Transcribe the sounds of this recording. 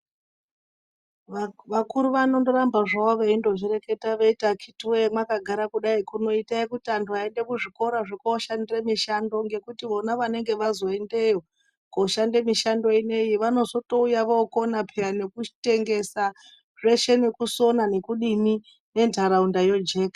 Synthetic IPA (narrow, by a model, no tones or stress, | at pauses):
ʋakuɾuʋano̞ndo̞ɾambaʐaoʋeindo̞ʐiɾe̞ke̞taʋeitakʰituwemwakaɡʱaɾakuɗaikuno̞itaikutiantuae̞nde̞kuʐiko̞ɾaʐikoʃandiremiʃando̞ŋɡe̞kutiʋo̞naʋane̞ŋɡe̞ʋazo̞e̞nde̞jo | koːʃandemiʃando̞ine̞jiʋano̞zo̞to̞ujaʋokonapʰeane̞kui̥te̞ŋɡe̞sa | ʐe̞ʃe̞nekuso̞nane̞kuɗimi | ne̞ntaɾaundajo̞d͡ʒe̞ːkḁ